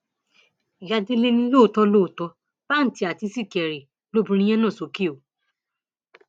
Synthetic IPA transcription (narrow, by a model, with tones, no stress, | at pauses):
ja˧de˦le˦nĩ˧lo˦˨tɔ˧˦lo˦˨tɔ˧ | b̥a˦n̩˨ti˨˧˦a˨ti˧si˦˨kɛ˨ɾe˨ | lo˦bũ˧ɾ̃ĩ˧j̃ɛ̃˦nã˦˨so˨˦ke˦o˨˦